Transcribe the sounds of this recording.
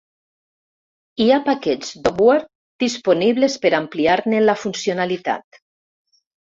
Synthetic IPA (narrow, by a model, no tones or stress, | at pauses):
iapakɛd͡zd̪obweɾ | d̪̥isponiβlespeɾampliaɾnenlafunsionalit̪a̰t̪